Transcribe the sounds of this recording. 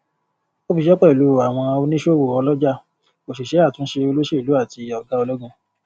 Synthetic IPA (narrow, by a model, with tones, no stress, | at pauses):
o˦fi˧ʃɛ˦k͡pɛ˦˨i˨lu˨˦˨a˨w̃ɔ̃˧a˧o˧˦nĩ˦ʃo˦˨wo˨ɔ˧lɔ˦d͡ʒa˦ | ko˨ʃi˨ʃe˨˦a˦˨tũ˦ʃe˧o˧lo˦ʃe˦i˨lu˨˦a˦˨ti˧ɔ˨ɡa˦o˧lo˦ɡã˧